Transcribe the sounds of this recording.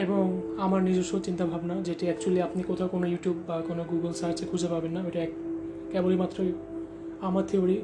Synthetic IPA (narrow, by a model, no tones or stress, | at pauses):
eboŋ | amaɾnid͡ʑoʃot͡ɕint̪abʱabnad͡ʑeʈiɛkt͡ɕualiapnikot̪ʰaʊkonojuʈjubːakonoɡuɡəlsaat͡ɕekʰud͡ʑʱepabenːaojʈiɛk | kɛbolimat̪ːɾoj | amaɾt̪ʰeoɽi